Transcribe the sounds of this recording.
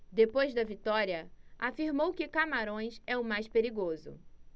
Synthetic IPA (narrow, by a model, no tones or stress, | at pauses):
d̪epojzd̪ɐvit̪ɔɾiɐafiɾmowkɪkamaɾõj̃sɛʊmajspeɾiɡozʊ̰